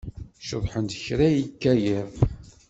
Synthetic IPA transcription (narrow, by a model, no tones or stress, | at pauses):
ʃə̰ðˤħənd̪əçɾæjikːæjæv